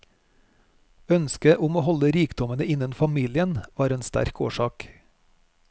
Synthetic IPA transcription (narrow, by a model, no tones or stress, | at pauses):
œnskəʔʊmoːhɔləɾiːkd̪ɔmənəɪnənfɑmiːlɪənʋɑːɾeːnst̪æ̰ɾkʰo̰ːʃɑːk